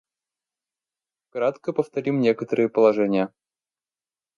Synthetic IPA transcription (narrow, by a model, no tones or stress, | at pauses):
kɾat̪kəpəft̪ɐɾʲimnʲekət̪əɾɨjəpəlˠaʐɛnʲɪjə